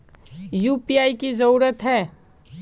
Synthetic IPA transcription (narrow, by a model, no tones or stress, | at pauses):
juːpiaːikizɐɾuːɾət̪ɦɛː